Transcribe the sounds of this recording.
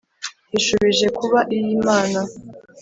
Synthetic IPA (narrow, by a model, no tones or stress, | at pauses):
hiʃuβiʒe̞kuβaʔijiːmaːna